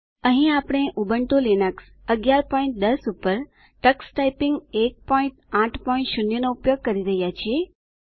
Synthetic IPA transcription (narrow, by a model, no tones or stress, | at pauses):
əɦĩapɽ̃eʔubəɳʈolinəks | əɡjaɾpɔĩɳʈ̚d̪əsupəɾ | ʈəksʈaipĩŋɡek̚pɔĩɳʈãʈʰpɔĩɳʈʃunjənoupjoɡ̚kəɾiɾəɦjat͡ʃʰie